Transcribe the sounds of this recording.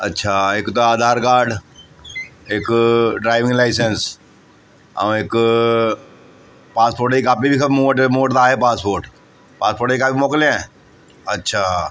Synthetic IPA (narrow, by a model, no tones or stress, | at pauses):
ɐ̰tːʃʰaeːkt̪oaːd̪ʱaːɾkaːɾɖ | eːkɖɾaːɪʋɪ̃ŋɡlaːɪs̬əns | ə̰eːk | paːspoːɾʈikaːpibʱikmoːʈmoːʈd̪aːɦepaːspoːɾʈ | paːspoːɾʈikaːpimoːkleɛ̃ː | ətːʃʰaː